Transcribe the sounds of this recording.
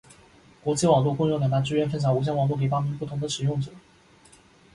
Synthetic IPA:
kwɔ˧˥t͡ɕi˥˩wɑ˨˩ŋlu˥˧kʊ˥˧ŋɻʊ˥˩ljna˧˥ʈ͡ʂɻ̩˥ɥɛ˥nfə˥nɕ̬ʰɑ˨˩ŋu˧˥ɕ̬jɛ˥nwɑ˨˩ŋlu˥˩ke˨˩pa˥mi˧˥npu˥˩t̪ʰʊ˧˥ŋd̪ə˧ʂɻ̩˨˩jʊ˥˩ŋʈ͡ʂɤ˨˩˦

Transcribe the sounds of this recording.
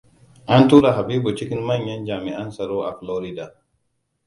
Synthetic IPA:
ʔa˦ntuː˦ɾa˨ɦa˨biː˦bu˨t͡ʃɪ˦kɪ˦nma˦ɲjɐ˦nd͡ʒaː˨mi˨ʔa˦nsɐ˨ɾoː˦ʔa̰˨flɔː˦ɾi˦da˨

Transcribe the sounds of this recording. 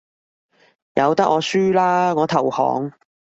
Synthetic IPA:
jɐ˨˧wt̪ɐ˥k̚ʔɔː˨˧syː˥laː˥ŋɔː˨˧t̪ʰɐ˨˩whɔ̰ː˨˥ŋ

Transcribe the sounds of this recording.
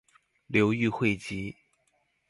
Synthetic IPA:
ljo˧˥ʊy˥˧xwe˥˩ɪt͡ɕi˧˥

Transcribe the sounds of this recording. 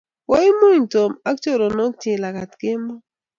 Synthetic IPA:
wa˦i˦mo˦˨n˨to˨ma˦kt͡ʃo˦˨ɾo˨no˦tɪ˨la˨ka˨tkɪ˦mbɔ˦

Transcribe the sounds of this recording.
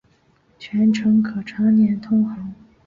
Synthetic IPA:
t͡ɕʰɥɛ˧˥nʈ͡ʂʰɤ˧˥ŋkʰɤ˨˩ʈ͡ʂʰɑ˧˥ŋnjɛ˧˥nt̪ʰʊ˥ŋxɑ˧˥˦ŋ

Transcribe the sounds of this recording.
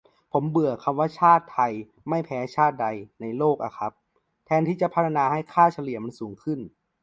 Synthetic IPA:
pʰo˩˦mbɯ˨˩ɐəkʰa˧mwaː˥˩t͡ɕʰaː˥˩t̪ʰːa˧j | ma˥˩jpʰɛː˨˦˥t͡ɕʰaː˥˩t̪̚da˧jna˧jloː˥˩k̚ʔa̰˨˩kʰa˦˥p̚ | t̪ʰɛː˧nt̪ʰiː˥˩t͡ɕa˨˩pʰa˧˥t̪ʰa˧naː˧ha˥˩jkʰaː˥˩t͡ɕʰa˧li˨˩əma˧nsuː˩˦ŋkʰɯ˥˩n

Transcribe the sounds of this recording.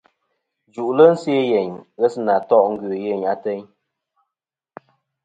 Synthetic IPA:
d͡ʒu˨ʔlə˦n̩˦sje˦jɛ˨ɲɣɛ˦sna˨tɔ˦˨ʔŋ̩˦ɡɥʉ˨jɛ˦˨ɲa˦tɛ˦ɲ

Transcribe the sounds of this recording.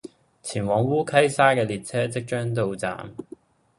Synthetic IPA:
t͡sʰiː˨˩nwɔː˨˥ŋwuː˥kʰɐ˥jsaː˥kɛː˧liː˨t̚t͡sʰɛː˥t͡sɪ˥k̚t͡ʃœː˥ŋt̪̬o˨˧wt͡sa̰ː˨m

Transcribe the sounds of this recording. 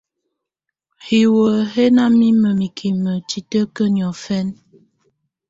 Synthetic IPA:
hi˨wə˨ɦe˦na˦mi˦mə˨mi˨kʰi˨mə˨t͡ʃi˨tə˦kə˦njɔ˨fɛ˦n

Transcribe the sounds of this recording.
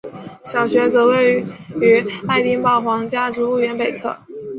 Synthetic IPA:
ɕjɑ˨˩ʊɕɥɛ˧˥t͡sɤ˧˥we˥˩ɪy˧˥a˥˧ɪt̪i˥ŋpɑ˥˩ʊxwɑ˧˥ŋt͡ɕja˥ʈ͡ʂu˧˥lu˥˩ɥɛ˧˥npe˨˩ɪt͡sʰɤ̰˥˩

